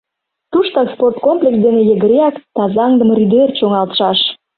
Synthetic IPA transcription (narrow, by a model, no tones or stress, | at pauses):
t̪uʃt̪ɑsport̪̚komplʲeks̬d̪enejəɣəɾeɑkt̪ɑzɑŋd̪əmryd̪ert͡ɕoŋɑlt̪ʃɑʃ